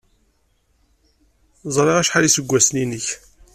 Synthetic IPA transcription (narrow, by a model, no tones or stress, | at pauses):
zˤɾˤeʁæʃħalisəɡʷːæsninəç